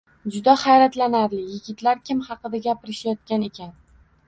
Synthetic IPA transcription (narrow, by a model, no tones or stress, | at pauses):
d͡ʒʊd̪ahajɾat̪lanaɾlɪjɪɡʲɪt̪laɾkʲʰɪmhɑqɨd̪aɡʲapɪɾɪʃjɒt̪̚kʲane̞kʲʰan